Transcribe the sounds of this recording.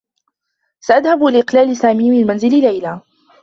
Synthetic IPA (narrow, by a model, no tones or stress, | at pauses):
saʔad̪habʔɪlʔɪqlaːlɪsaːmiːmɪlmanzɪlɪlajlaː